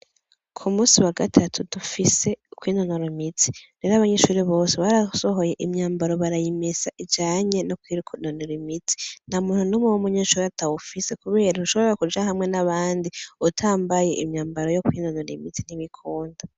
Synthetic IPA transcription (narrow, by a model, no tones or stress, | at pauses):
kʰumuːsiwaɡatʰatʰudufise̞kwiːnonoɾimiti̥ɾeːɾaβaɲeʃuːɾiβo̞ːse̞βaɾaso̞ɦo̞je̞ʔimɲaːmbaɾo̞βaɾajimezaʔid͡ʒaːɲe̞nokwiːɾkʰnonoɾimiti̥n̥amuːn̥hunomuwomuɲeʃuːɾiatʰawufisekuβe̞ːɾanuʃoβoɾeakud͡ʒaɦamŋe̞naβaːndiutʰaːmbaje̞ʔimɲaːmbaɾo̞jo̞kwiːnonoɾḭmitin̥iβikʰoːnda